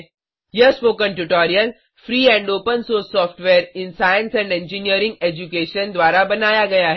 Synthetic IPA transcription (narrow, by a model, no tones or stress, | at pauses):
jɐspoːkə̃nʈʊʈɔːɾijəl | fɾiːɛ̃ːɳɖoːpənsoːsːɔːfʈʋeːɾɪ̃nsaːjə̃nsɛ̃ɳɖẽɲd͡ʒiniəɾɪ̃ŋɡeːd͡ʒukeːʃənd̪ʋaːɾabɐnaːjaɡɐjaɦɛ